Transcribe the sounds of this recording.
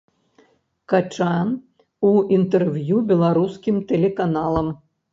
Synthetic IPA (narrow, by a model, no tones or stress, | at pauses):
kat͡ʂan | uint̪ɛrvʲjubʲɛlˠaɾuskʲimt̪ɛlʲɛkanalˠɐm